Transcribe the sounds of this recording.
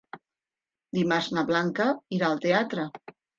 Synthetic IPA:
d̪imaznaβlaŋkəiɾaːlˠt̪eat̪ɾə

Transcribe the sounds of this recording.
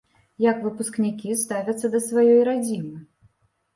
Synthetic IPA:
jɐkvɨpusknʲikʲist̪avʲɐt̪sːɐd̪ɐsvajɔjɾad͡zʲimɨ

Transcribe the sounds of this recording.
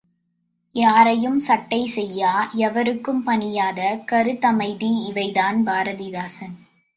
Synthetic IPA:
jaːɾɐjɯmsɐʈːɐɪsɛjːaːɛʋɐɾɯkːɯmpɐɳɪjaːðɐkɐɾɯt̪ːɐmɐɪðɪɪʋɐɪðaːnbaːɾɐðiðaːsɐn

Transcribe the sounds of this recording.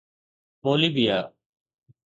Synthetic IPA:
poːliːbijaː

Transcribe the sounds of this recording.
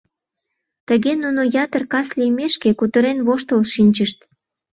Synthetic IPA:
t̪əɣenunojɑt̪ərkɑslijmeʃkekut̪əɾenβoʃt̪əlʃinʲt͡ɕəʃt̪

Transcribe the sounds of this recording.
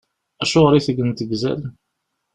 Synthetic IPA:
æʃʊʁɾiθəɡənt̪əɡzæ̰l

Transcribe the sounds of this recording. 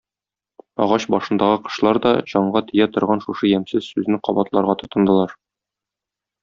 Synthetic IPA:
ɒ̰ʁɑɕbɒʃɤ̆nd̪ɑʁɤqɤ̥̆ɕlˠɑɾd̪ɒ̰ʑɒɴɢɑt̪ɘ̆jæt̪ŏɾʁɑnʃuʃɤjæmsɘzsʉznɘqɒbɑt̪lˠɑɾʁɑt̪ŏt̪ɤ̆nd̪ɤ̆lˠɑɾ

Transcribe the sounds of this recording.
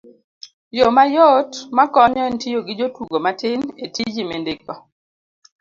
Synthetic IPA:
jomajotmakɔɲɔɛntijoɡɪd͡ʒotwuɡomatɪnetid͡ʒimendekɔ

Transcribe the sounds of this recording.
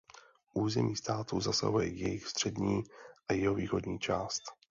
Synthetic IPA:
ʔuːzɛmiːst̪aːt̪uzasa̰ɦujɛ̰jɛjɪxst̪r̝̥ɛdɲiːʔajɛɦoviːxo̞dɲiːt͡ʃaːst̪

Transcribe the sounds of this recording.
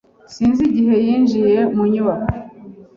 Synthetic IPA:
siːnziɟiɦe̞jiːnʒije̞muɲuwa

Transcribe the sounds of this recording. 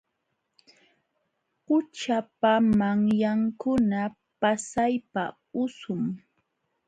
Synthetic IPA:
qʊt͡ʃapamaŋjaŋkʊna | pasajpa | ʊsʊm

